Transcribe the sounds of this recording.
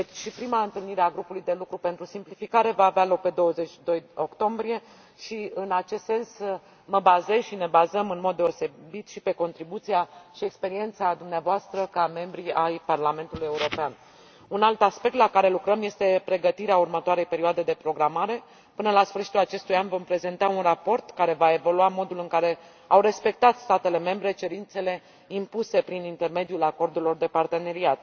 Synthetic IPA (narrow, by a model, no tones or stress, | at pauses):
et͡ʃʃipɾimaɨnt̪ɨlniɾe̞aɡɾupulujd̪e̞lukɾupe̞nt̪ɾusimplifikaɾe̞vaːvealo̞k̚pe̞d̪o̞wəze̞t͡ʃʲʃid̪o̞jo̞kt̪o̞mbɾije̞ | ʃiɨnat͡ʃest̪se̞ns | məbaze̞zʃine̞bazəmɨnmo̞d̪ːe̞ose̞bit̪ʃipe̞ko̞nt̪ɾibut̪sijaʃiekspe̞ɾie̞nt̪sad̪umneavoast̪ɾəkame̞mbɾiajparlame̞nt̪uluje̞uɾo̞pean | unalt̪aspe̞k̚t̪lakaɾe̞lukɾəmje̞st̪e̞pɾe̞ɡət̪iɾeaurmət̪oaɾe̞jpe̞ɾioad̪e̞d̪e̞pɾo̞ɡɾamaɾe̞ | pɨnəlasfɨrʃit̪ulat͡ʃe̞st̪ujanvo̞mpɾe̞ze̞nt̪aunrapo̞rt̪kaɾe̞vae̞vo̞luamo̞d̪ulɨŋkaɾe̞ | awre̞spe̞k̚t̪at̪st̪at̪e̞le̞me̞mbɾe̞t͡ʃe̞ɾint̪se̞le̞ | impuse̞pɾinint̪e̞rme̞d̪iulako̞rd̪ulo̞rd̪e̞part̪e̞ne̞ɾiat̪̚